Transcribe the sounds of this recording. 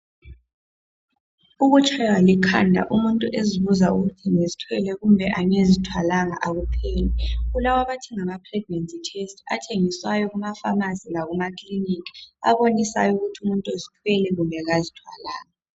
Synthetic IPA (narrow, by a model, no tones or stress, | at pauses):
uɣut͡ʃʰʼawalikʰa̰ndʱa̰ʔumuntʼuʔeziβuzauɣutʰiŋezitʰwɛlɛɣumbʱɛʔaɲezitʰwalaŋaʔaɣupʰɛːlɛɣulawaβatʰɛŋamapʰrɛɡ̚nentʼitʰestʰʼa̰tʰeŋiswajɔɣumafamazilaɣumakʰʼlinikʰa̰βonisa̰juɣutʰiumuntʼozitʰwɛlɛɣumbʱɛɣazitʰwa̰laːŋa